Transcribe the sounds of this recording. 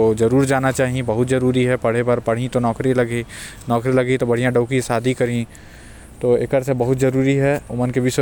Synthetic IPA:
oːzɐɾuːɾd͡ʒaːnat͡ʃaːɦĩbɐɦʊt̪zɐɾuːɾiɦɛpɐɽ̤ebɐɾpɐɽ̤ĩt̪onɔːkɾilɐɡi | nɔːkɾilɐɡit̪obɐɽ̤ijãɖəʊkisaːd̪ʱikɐɾĩ | t̪oːɪkəɾsebɐɦʊt̪zɐɾuːɾiɦɛʊmənkebʱɪs

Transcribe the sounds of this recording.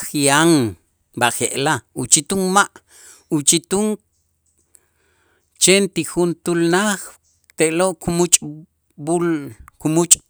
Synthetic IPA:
χjaŋ | baʔχeʔlaut͡ʃit̪uŋmaʔ | ut͡ʃit̪uŋ | t͡ʃent̪ixunt̪ulnaχ | t̪eʔloʔkumut͡ʃʼ | bulkumut͡ʃʼ

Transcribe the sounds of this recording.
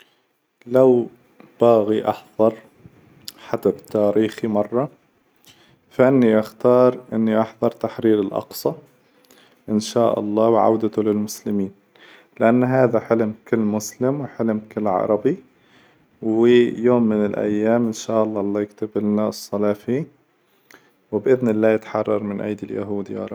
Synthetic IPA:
law | b̥aːɣiʔɑ̰ħðˤɑɾˤ | ħad̪abt̪ːaːɾiːximɑrˤːɑ | faʔɪnːiʔaxt̪ɑːɾˤʔɪnːiʔɑħðˤɑɾˤt̪aħɾiːɾɪlʔɑ̰qsˤɑ | ʔɪnʃaːʔɑ̰lˤːɑːwʕa̰wd̪at̪ʊlɪlmʊslɪmiːn | lɪʔanːɦaːðaħɪlmkɪlːmʊslɪmwɪħɪlmkɪlːʕɑ̰ɾˤɑbi | wɪjoːmːɪnɪlʔa̰jːaːmʔɪnʃaːʔɑlˤːɑːlˤːɑːjɪkt̪abɪlnasˤːɑlɑːfi | wɪbʔɪðnɪlːaːjɪt̪ħɑrˤːɑɾˤmɪnʔa̰jd̪ɪlja̰ɦuːd̪jɑ̰ːɾˤɑb

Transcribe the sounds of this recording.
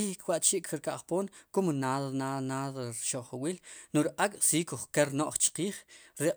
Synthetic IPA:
ikʰwaʔt͡ʃiʔkɾkaʔχpoːnkumnaðnanaðɾʃoʔχawiːlnuɾʔʼakʼsiːkuχkeɾnoʔχt͡ʃqiːχɾe

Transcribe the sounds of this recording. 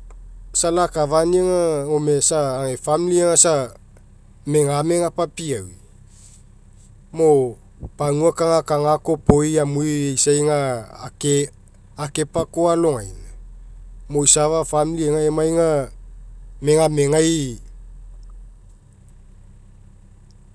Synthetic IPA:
salakavaniaŋaomesaːŋefamilieŋasa | me̞ŋaame̞ŋapapiawi | mo | paŋuakaŋakaŋako̞po̞jamujejsajŋakeː | ke̞pakoalo̞ŋajna | mojsavafamilieŋaemajŋa | me̞ŋame̞ŋaj

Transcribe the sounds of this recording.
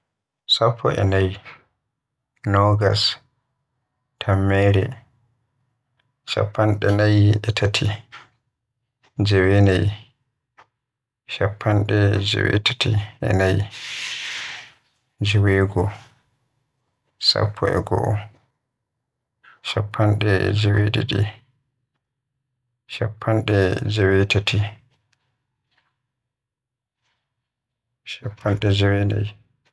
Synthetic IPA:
sapʰːɔʔɛ̰naj | nɔɡas | tʰamːɛɾɛ | ʃa̰pʰːanɗɛnajɛtʰatʰi | d͡ʒɛwenaj | ʃapʰːanɗɛd͡ʒɛ̰wɛtʰḁtʰiʔɛ̰naj | d͡ʒɛweːɡɔ | sa̰pʰːɔɛ̰ɡɔʔɔ | ʃapʰːanɗɛd͡ʒeweɗiɗi | ʃapʰːanɗɛd͡ʒawetatʰi | ʃapʰːanɗɛd͡ʒawena̰j

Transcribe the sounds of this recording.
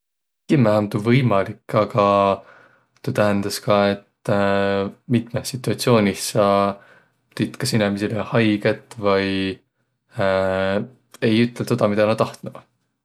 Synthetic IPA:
kimæomt̪uvɤjmɑlikːɑɡ̥ɑ | t̪ut̪æɦænd̪̥ɑskɑe̞t̪ | mit̪ˑmesːit̪ːˑuɑt̪sio̞ːnʲisɑ | t̪it̪kɑsinemesilehɑjɡ̥et̪ˑːvɑj | e̞jyt̪ːˑelt̪ed̪̥ɑmid̪̥ɑnɑt̪ɑht̪nu

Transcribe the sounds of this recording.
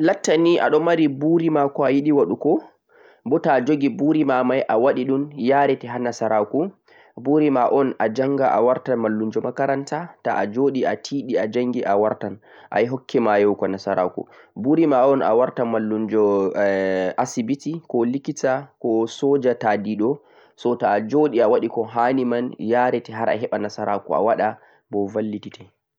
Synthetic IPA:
latːaniʔa̰ɗɔmaɾibuɾimakɔajiɗiwaɗukɔ | bɔtad͡ʒoɡibuɾimamajʔawaɗiɗunjaːɾɛtɛɦanːasaɾaku | buɾimaʔɔnʔad͡ʒaŋɡaʔa̰waɾtanmalːund͡ʒɔmakaɾantataʔad͡ʒoːɗiatʰiːɗiad͡ʒaŋɡiʔawaɾtan | ʔa̰jɦɔkʰːɛmajɔwkɔnasaɾa̰kṵ | buɾimaʔɔna̰waɾtamalːund͡ʒɔ | asibitikɔlikitakɔsɔd͡ʒatadiɗɔ | sɔtaːd͡ʒoɗiawaɗikɔɦanimanjaːɾɛtɛɦaɾʔa̰ɦɛɓanasaɾakṵa̰waɗa | bɔvalːititʰɛ

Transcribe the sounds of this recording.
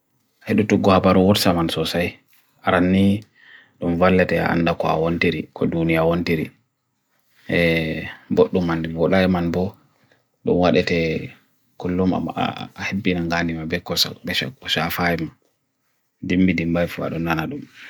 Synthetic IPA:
heɗutuɡːɔhabaɾuwɔɾsamansɔsaj | ʔaɾanːi | ɗumvalːɛtɛ̰a̰ndakɔa̰wontiɾikʰɔdunijawontiɾi | ɛboɗːumandɛbɔɗaɛmanbɔ | ɗṵmwaɗɛtɛ | kulːuma̰hebːinaŋɡanimabɛkɔsa̰bɛkɔʃafaima | dimbidimbajfua̰ɗɔnːanaɗum

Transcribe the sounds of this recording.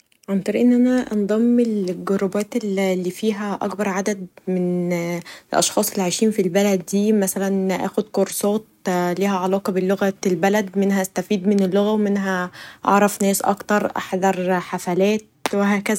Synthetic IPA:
ʕɑnt̪ɑɾiʔenːʔænæʔɑnd̪ˤɑmːelɡoɾɑbæːt̪ellːiːfiːɦæʔɑ̰kbɑɾˤʕad̪æd̪men | elʔɑ̰ʃxɑːsˤelːʕajʃiːnfilbælæd̪̚ːiːmæsælænʔæ̰ːxod̪koɾsˤɑːt̪̚liːhæʕɑlɑːqɑbelːoɣæt̪elbælæd̪menhæʔæst̪æfiːd̪menelːoɣæwemenɦæʔɑ̰ʕɾˤɑfnæːsʔɑ̰kt̪ɑɾˤʔɑ̰ħd̪ˤɑɾˤħafælæːt̪̚weɦæːkæzæ

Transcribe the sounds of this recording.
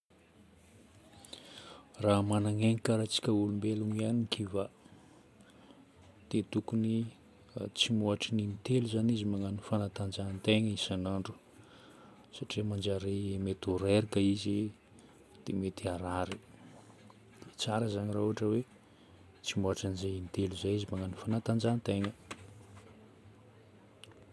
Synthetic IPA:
ramanaŋeŋikaɾat͡si̥kʲəulumbeluŋianikʰiva | d̪̥et̪ukuni | t͡simoaʈ͡ʂininit̪eluzanizimaŋanifanat̪and͡ʒant̪eŋisanaɳɖ͡ʐu̥ | saʈ͡ʂiəmand͡ʒaɾeemet̪oɾeɾikəizi | d̪̥emet̪iaɾaɾi̥ | d̪̥et͡saɾəzaɲiraɦuaʈ͡ʂəwe | t͡simoaʈ͡ʂanizeint̪eluzajizimaŋanifanat̪and͡ʒant̪eŋə

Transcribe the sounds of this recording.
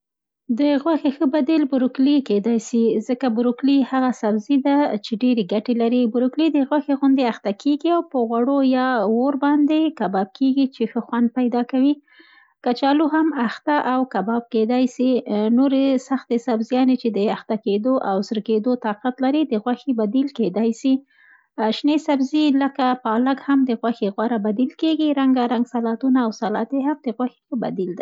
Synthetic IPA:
d̪əɣwaxexəbad̪elbʊɾʊkliked̪ɑjsizəkabʊɾʊklihaɣasabzid̪at͡ʃeɖeɾeɡaʈelaɾibʊɾʊklid̪əɣwaxeɣʊnd̪eaxt̪akʰeɡiawpəɣwaɽojɑwoɾbɑnd̪ekabɑb̚keɡit͡ʃexəxwand̪̚pajd̪ɑkawi | kat͡ʃɑluɦamaxt̪aʔawkabɑb̚ked̪ɑjsinoɾesaxt̪esabzjɑnet͡ʃed̪əaxt̪aked̪oʔawsəɾked̪ot̪ɑqat̪laɾid̪əɣwaxibad̪ilked̪ɑjsi | aʃnesabziləkapɑlaɡhamd̪əɣwaxeɣwaɾabad̪ilkeɡiɾaŋɡaɾaŋɡsalɑt̪unaːwsalɑt̪eɦamd̪əɣwaxe̥xəba̰d̪ild̪a

